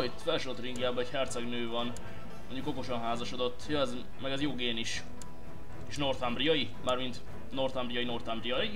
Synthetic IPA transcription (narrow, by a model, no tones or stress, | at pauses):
jt̪fɛlʃoot̪riŋɡjaːbɒɛchɛrt̪sɛɡnøːvɒn | moɲɟuko̞ko̞ʃonɦaːzɒʃod̪o̞t̪ːjoɛz | mɛɡɛzjoːɡeːniʃ | iʃno̞rt̪ɒmbrijɒji | maːrmint̪ | no̞rt̪ɒmbrijɒino̞rt̪ɒmbrijɒji